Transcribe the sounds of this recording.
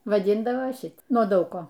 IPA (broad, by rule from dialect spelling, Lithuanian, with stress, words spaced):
ʋɐˈdʲɪndɐʋoː ˈʃʲɪt nuɔ ˈdɐʊk ˈkoː